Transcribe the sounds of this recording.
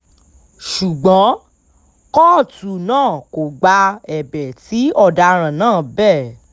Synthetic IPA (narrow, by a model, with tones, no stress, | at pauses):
ʃu˨ɡ͡bɔ̃˨˦ | kɔ˦˨tu˨nãː˦˨ko˨ɡ͡ba˧ɛ˨bɛ˨ti˨˦ɔ˦˨da˧ɾ̃ã˨nãː˦˨bɛ˦˨